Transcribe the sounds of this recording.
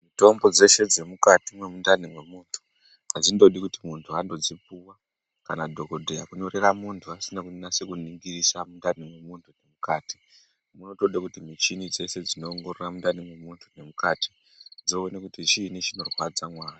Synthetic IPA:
mito̞mbo̞d͡ze̞ʃe̞d͡ze̞mukatimwe̞mundanimwe̞muːntʰu̥ | ad͡zindo̞ɗikutimuntʰuando̞d͡zipuwa | kanadʱo̞ko̞dʱejakuɲo̞ɾe̞ramuntʰuasinakunasekuniŋɡirisamundanimwe̞muntʰune̞mukaːti̥ | muno̞toɗekutimit͡ʃinid͡ze̞se̞d͡zino̞ːŋɡororamundanimwe̞muntʰu̥ne̞mukati̥ | d͡zo̞ːnekutit͡ʃiːnet͡ʃino̞rwad͡zamwaːri

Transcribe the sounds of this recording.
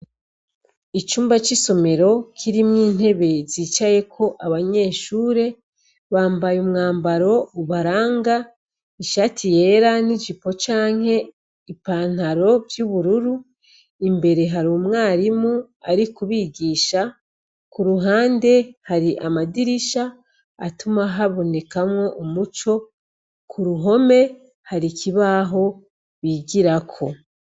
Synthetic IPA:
it͡ʃuːmbat͡ʃiso̞me̞ɾo̞kʰiɾimŋiːn̥e̞βe̞ziːt͡ʃaje̞kʰo̞ʔaβaɲe̞ːʃuːɾe̞ | βaːmbajumŋaːmbaɾo̞uβaɾaːŋɡa | iʃatʰije̞ɾanid͡ʒipo̞t͡ʃaːŋ̥he̞ | ipaːn̥aɾo̞vjuβuɾuɾu | imbe̞ɾe̞ɦaɾoːmŋaːɾimu | aɾikuβiːɡiːʃa | kuɾuɦaːnde̞haɾiʔamadiɾiʃaː | tumaɦaβo̞ne̞kamŋo̞ʔomut͡ʃo̞ | kʰuɾuɦo̞me̞ | haɾikiβaɦo̞ | βiːɟiɾakʰo̞

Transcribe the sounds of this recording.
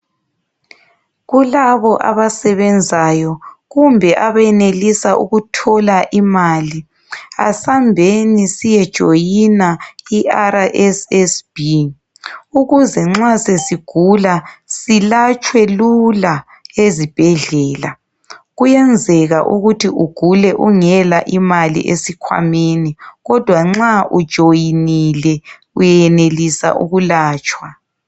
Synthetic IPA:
ɣulaβɔʔa̰βasɛβɛnd͡zʱajɔɣumbʱɛʔaβajɛnelisaʔuɣutʰɔlaʔimali | a̰sambʱenisijɛd̥ʒ̥ʱojinaiʔaɾaʔɛsɛsb̥i | uɣuzɛŋ͡ǁasesiɡ̥ʱulasilat͡ʃʰʼwɛlula | ezib̥ʱɛɮɛːla̰ | ɣujɛnd͡zʱɛɣaʔuɣutʰiʔuɡ̥ʱulɛʔuŋɛlaʔimalḭʔesikʰwa̰meniɣɔd̥ʱwaŋ͡ǁaʔud̥ʒ̥ʱojinilɛ | ujɛnelisa̰ʔṵɣulaːt͡ʃʼwa

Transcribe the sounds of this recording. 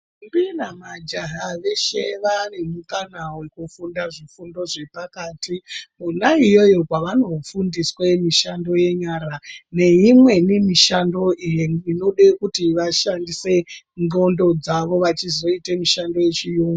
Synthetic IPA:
mbinamad͡ʒaɦaʋe̞ʃeʋane̞mukanawekufundaʐifundo̞ʐe̞pakaːtimunaijo̞jo̞kwaʋano̞fundiswemiʃando̞je̞ɲaːɾane̞imwe̞nimiʃando̞ʔijeino̞ɗekutiʋaʃandise̞ | ŋɡo̞ndo̞d͡zaʋo̞ʋat͡ʃizo̞itemiʃando̞je̞t͡ʃijuːŋɡ

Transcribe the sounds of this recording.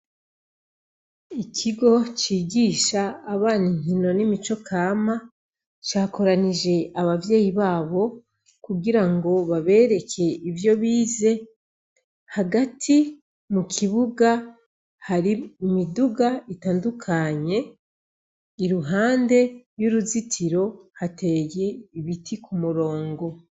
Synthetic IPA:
ikʰiɡo̞t͡ʃiːɡiːʃaːβaːniŋ̥ino̞nimit͡ʃo̞kʰaːma | t͡ʃaːko̞ɾanid͡ʒe̞aβavje̞ːjiβaːβo̞ | kuɡiɾaŋɡo̞βaβe̞ːɾe̞kʰe̞ivjo̞βiːze̞ | haɡatʰi | mukʰiβuɡa | haɾimiduɡaitaːndukʰaɲe̞ | iɾuɦaːnde̞juɾuzitʰiɾo̞hate̞je̞iβitʰikʰumuɾo̞ːŋɡo̞

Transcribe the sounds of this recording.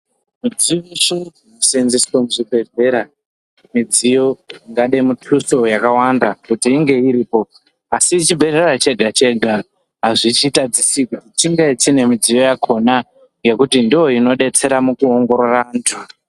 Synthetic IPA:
mid͡zioʂoinosenziswomuʐibʱe̞re̞ɾa | mid͡zijo̞iŋɡaɗemutʰuso̞jakawandakutiːŋɡe̞iɾiːpo̞ | asit͡ʃibʱe̞rerat͡ʃe̞ɡʱat͡ʃe̞ɡʱa | ɦaʐit͡ʃitad͡zisikutit͡ʃiŋɡet͡ʃine̞mid͡zijo̞jakʰo̞na | ŋɡe̞kutindijo̞ino̞ɗe̞t͡se̞ɾamukuoŋɡo̞ɾo̞rantʰu

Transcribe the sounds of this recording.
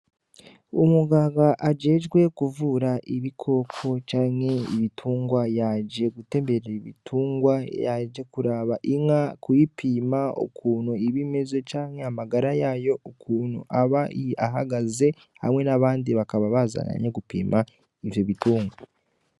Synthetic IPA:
umuɡaːɡaʔaɟe̞ːʒɡwe̞kuvuɾaʔiβikʰo̞kʰo̞t͡ʃaːŋhe̞ḭβitʰuːŋɡwajaɟe̞ɡute̞ːmbeɾeiβḭtʰuːŋɡwajaɟe̞kuɾaːβaʔiŋakujipiːmao̰kʰuːnuiβime̞zo̞t͡ʃaːŋhe̞amaɡaɾajaːjo̞ʔokuːnṵʔaβaiaɦaɡaze̞ | ha̰mŋe̞naβaːndiβakaβaβaza̰na̰ɲeɡupḭːmʔa | ivjoβituːŋɡwa

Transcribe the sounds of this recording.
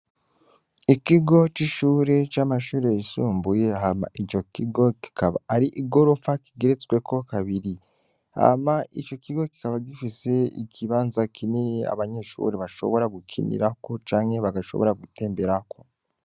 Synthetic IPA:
ikiɡo̞t͡ʃiʃuːɾe̞t͡ʃaːmaʃuːɾe̞jisuːmbuje̞ama̰ʔit͡ʃo̞kiɡo̞ki̥kaβaɾiʔiɡo̞ɾo̞faki̥ɡeɾet͡swe̞kʰo̞kaβiɾi | ha̰mait͡ʃo̞kiɡo̞ki̥kaβaɡifise̞ḭkʰiβaːnzakiniia̰βaɲe̞ʃṵːɾeβaʃo̞̰βo̞ɾaɡukʰḭnḭɾako̞t͡ʃaːŋhe̞βaɡaʃo̞̰βoɾaɡute̞ːmbe̞ɾakʰo̞

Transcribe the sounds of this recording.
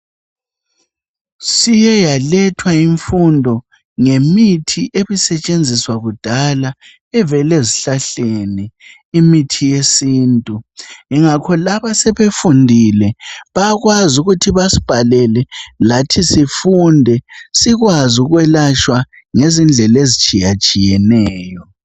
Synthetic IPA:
sijɛjalɛtʰwaiɱfundʱɔ | ŋemitʰiʔeβisɛt͡ʃʼend͡zʱiswaɣud̥ʱala | ɛvɛleziɬaɬeniː | mitʰijesiːntʼuŋiŋakʰɔlaβasɛβefundʱilɛβaɣwazuɣutʰiβasi̥b̥ʱalɛlɛlatʰisifundʱɛsiɣwazuɣwɛlat͡ʃwa | ŋezind͡ɮʱɛlezit͡ʃʼijat͡ʃʼijɛnɛːjɔ

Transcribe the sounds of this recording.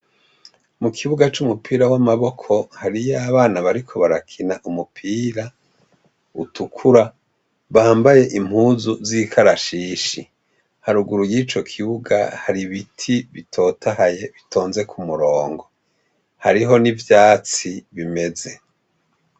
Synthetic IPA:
mukʰiβuɡat͡ʃumupʰiːɾawamaβo̞kʰo̞haɾijaβaːnaβaɾikʰo̞βaɾakʰinaʔumupʰiːɾa | utʰukʰuɾa | βaːmbaje̞ʔim̥huːzuzikʰaɾaʃiʃi | haɾuɡuɾujiːt͡ʃo̞kʰiβuɡa̰haɾiβitʰiβitʰo̞ːtʰahaje̞βitʰo̞ːnze̞kʰumuɾo̞ːŋɡo̞ | haɾiɦo̞nivjaːt͡siβime̞ze̞

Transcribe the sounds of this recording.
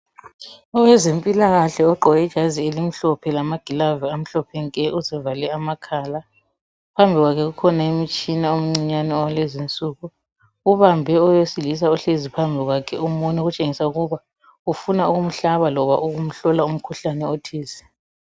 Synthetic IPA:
ɔwɛzempʼilaɣaɬɛɔǃɔɣɛd̥ʒ̥ʱazielim̩ɬɔpʰɛlamaɡ̥ʱilavɛam̩ɬɔpʰɛŋkʼɛʔuzɛvalɛamakʰaːla | pʰambʱiɣwakʰɛɣukʰɔnaemit͡ʃʼinaom̩ŋ͡ǀiɲanɛɔwalezint͡sʼuːɣu | uβambʱɛɔjesilis̬auɬezipʰambʱiɣwakʰɛumɔɲɛɣut͡ʃʼeŋisauɣuβa | ufunauɣum̩ɬaβalɔβa̰ʔuɣum̩ɬɔlaum̩kʰuɬanɛotʰiːsɛ̥

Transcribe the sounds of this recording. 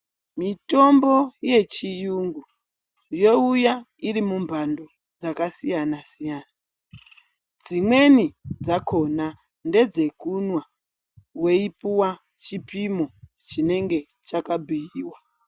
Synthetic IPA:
mito̞mbo̞je̞t͡ʃijuŋɡu | jo̞uja | irimumbʱando | d͡zakasijanasijaːna | d͡zimwe̞nid͡zakʰo̞na | nde̞d͡ze̞kunwa | we̞ipuwa | t͡ʃipimo̞ | t͡ʃine̞ŋɡe̞ | t͡ʃakabʱijiːwa

